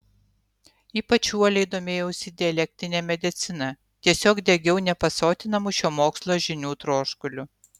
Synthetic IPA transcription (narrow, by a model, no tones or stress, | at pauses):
iːpɐt͡ʃʲuɔlʲɛɪd̪oːmʲeːjɛʊsʲɪd̪ʲɪɛlʲɛk̚ʲt̪ʲɾʲɪnʲeːmʲɛd̪ʲɪt̪sʲɪnɐ | t̪ʲiɛsʲoːkd̪ʲɛɡʲɛʊnʲɛpɐsoːt̪ʲɪnɐmʊʃʲoːmoːkslˠoːʒʲɪnʲuːt̪ɾoːʃkʊlʲʊ